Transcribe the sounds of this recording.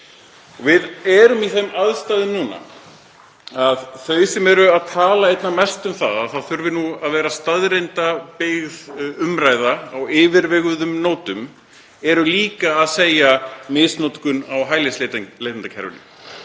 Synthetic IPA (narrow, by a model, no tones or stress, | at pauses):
ɔvɪðɛːɾʏmiθemaðst̪aːðʏmnuːna̰ | aðθœɥsɛmɛɾʏaðt̪ʰaːlaejt̪namɛst̪ʏmθaðaðθaðθʏɾvɪnuaðvɛːɾast̪aðɾejnt̪apɪɣðʏmɾaːjðaːwɪːvɪɾvɛɣʏðʏmnoːwt̪ʏm | ɛɾʏliːkaːðseːjamɪsnot̪kʏnawɦaːjleslet̪lejt̪ant̪acʰɛ̰ɾvʏ̰nɪ̰